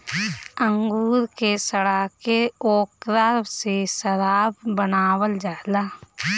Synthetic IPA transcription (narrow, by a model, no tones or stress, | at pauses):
ə̃ŋɡuːɾkesəɽaːkeoːkɾaɾbsesəɾaːbbənaːwəld͡ʒaːɦlaː